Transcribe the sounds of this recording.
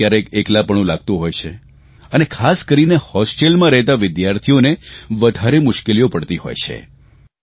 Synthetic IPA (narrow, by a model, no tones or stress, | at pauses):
jaɾekeklapəɳ̃ũlaɡ̚t̪ũɦojt͡ʃʰe | ənekʰaskəɾinehɔsʈelmãɾɛɦt̪aʋɪd̪jaɾt̪ʰijoneʋəd̪ʱaɾemʊʃkelijopəɽt̪iɦo̰jt͡ʃʰḛ